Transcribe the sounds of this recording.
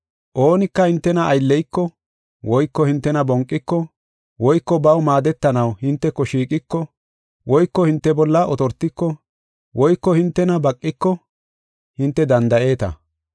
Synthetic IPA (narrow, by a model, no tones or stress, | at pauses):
ʔoːnɪkːɐhɪnt̪ːɛnɐːjlːɛjkːɔ | wɔjkːɔhɪnt̪ːɛnɐbɔŋkʼːɪkːɔ | wɔjkːɔbɐwmaːd̪ɛt̪ːɐnɐwhɪnt̪ːɛkːɔʃiːkʼɪkːɔ | wɔjkːɔhɪnt̪ːɛbɔlːɐʔɔt̪ɔɾt̪ːɪkːɔ | wɔjkːɔhɪnt̪ːɛnɐbɐkʼːɪkːɔ | hɪnt̪ːɛd̪ɐnd̪ɐʔe̞ːt̪ɐ̰